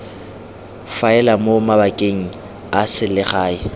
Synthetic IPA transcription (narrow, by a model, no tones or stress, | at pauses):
faɛlamomabakʼeŋ̩ | asɪlɪχaːɪ